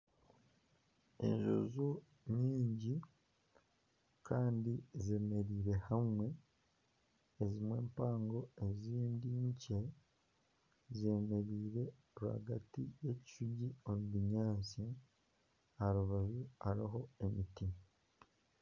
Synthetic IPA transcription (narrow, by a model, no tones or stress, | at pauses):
e̞̰ɲʒo̞̰zo | ɲiːɲɟi | kaːndize̞me̞ɾiːɾe̞hamwe̞ | zimwe̞ːmpaːŋɡo̞e̞ziːndiɲce | ze̞me̞ɾiːɾe̞ | βuha̰ɡatije̞ci̥ʃuɟiomuβiɲaːnsi | aɾuβaʒuaɾiɦo̞e̞miti